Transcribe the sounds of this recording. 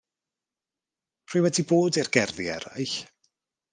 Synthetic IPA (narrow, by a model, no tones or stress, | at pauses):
r̥iːwɛdiboːdirɡɛrðiɛ̰ɾa̰jɬ